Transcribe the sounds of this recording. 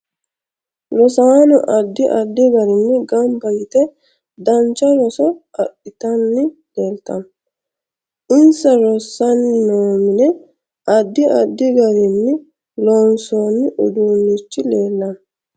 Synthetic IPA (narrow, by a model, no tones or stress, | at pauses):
lɔsaːnɔʔɐd̪ːɪʔɐd̪ːɪɡɐɾɪnːɪɡɐmbɐjɪt̪ɛ | d̪ɐnt͡ʃːɐɾɔsɔɐɗːɪt̪ɐnːɪleːlt̪ɐm | ʔɪnsɐɾɔsːɐnnoːmɪnɛ | ʔɐd̪ːɪɐd̪ːɪɡɐɾɪnːɪ | lɔnsoːnːɪʔʊd̪uːnːɪt͡ʃːɪleːlːɐn